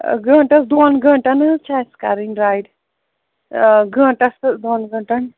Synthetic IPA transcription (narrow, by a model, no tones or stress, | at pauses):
ɡʱə̃ːɳʈɐsd̪oːnɡʱɐ̃ɳʈɐnt͡ʃʰaska̰ɾinɾaːjɖ | ɡʱɐ̃ːʈɐsd̪oːnɡɐ̃ʈɐn